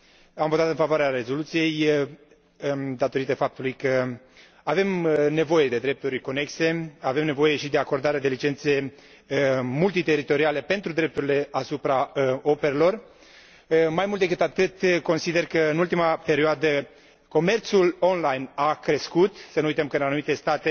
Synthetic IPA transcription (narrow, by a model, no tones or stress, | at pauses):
amvo̞t̪at̪ɨnfavoaɾeaɾe̞zo̞lut̪sije̞j | d̪at̪o̞ɾit̪əfap̚t̪ulujkə | ave̞mne̞vo̞je̞d̪e̞d̪ɾe̞p̚t̪uɾʲko̞ne̞kse̞ave̞mnevo̞je̞ʃid̪e̞ako̞rd̪aɾead̪elit͡ʃe̞nt̪se̞ | mult̪it̪e̞ɾit̪o̞ɾiale̞pe̞nt̪ɾud̪ɾe̞p̚t̪uɾile̞asupɾao̞pe̞ɾelo̞r | majmult̪d̪ekɨt̪at̪ɨt̪ko̞nsid̪e̞rkəɨnult̪imape̞ɾioad̪ə | ko̞me̞rt̪sulo̞nlajnakɾe̞skut̪sənujt̪əmkəɨnanumit̪e̞st̪at̪e̞